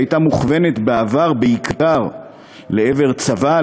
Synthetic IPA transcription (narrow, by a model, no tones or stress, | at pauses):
jtamuχve̞net̪beavaʁbeikdaʁ | le̞eve̞ʁt͡sava